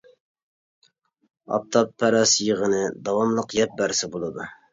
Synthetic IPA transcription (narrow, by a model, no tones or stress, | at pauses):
ɑ̰p̚t̪ʰɑpʰːɛɾɑsjəʁənɨd̪ɑwɑmlˠəqjɛp̚bæɾsɪbolˠɨd̪u